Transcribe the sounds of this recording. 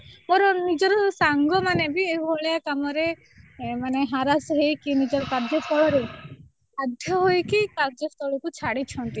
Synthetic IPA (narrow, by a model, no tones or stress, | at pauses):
mɔɾɔnid͡ʒɔɾɔsaŋɡɔmanebieɦuɦɔɭejakamɔɾe | maneɦaɾasɔɦejkinid͡ʒɔɾɔkaɾd͡ʒɔst̪ɔɭɔɾe | ad̪ʱjɔɦojkikaɾd͡ʒɔst̪ɔɭukut͡ʃʰaɽit͡ʃʰɔnt̪i